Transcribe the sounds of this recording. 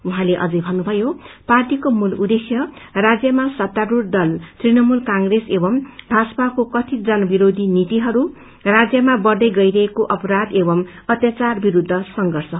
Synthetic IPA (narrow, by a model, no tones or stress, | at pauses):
uɦãleʔʌ̰d͡zʌjbʱʌnːubʱʌjoparʈikomulud̪ekʰjʌrad͡zjʌmasʌt̪ːaɾurd̪ʌlt̪rinʌmulkaŋɡresebʌmbʱasʌpakokʌt̪ʰid͡zʌnʌbiɾod̪ʱinit̪iɦʌɾu | rad͡zjʌmabʌrd̪ʌjɡʌjɾʌɦekoʔʌpʌɾad̪ebʌmʌt̪jat͡sarbiɾud̪ʱːʌsʌŋɡʌrsʌ